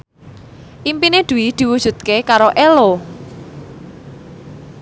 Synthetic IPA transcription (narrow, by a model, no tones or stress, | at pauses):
ʔimpined̪̥ṳwid̪̥i̤wud̥ʒ̥ṳt̪̚kekaɾoʔelo